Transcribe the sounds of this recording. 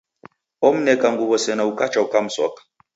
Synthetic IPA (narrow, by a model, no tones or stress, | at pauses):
omnekaŋɡuwəsenaukat͡ʃawkamswa̰k